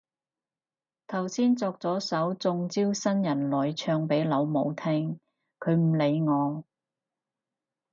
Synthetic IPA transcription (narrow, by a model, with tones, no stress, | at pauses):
t̪ʰɐ˨˩wsiː˥nt͡sɔː˧k̚t͡sɔː˨˥sɐ˨˥wt͡sʊ˧ŋt͡siː˥wsɐ˥njɐ˨˩nlɔː˨jt͡ʃʰœː˧ŋpe˨˥jlɐ˨˧wmo˨˧wt̪ʰɪ˥ŋ | kʰɵ˨˧ɥm̩˨˩le˨˧jŋɔː˨˧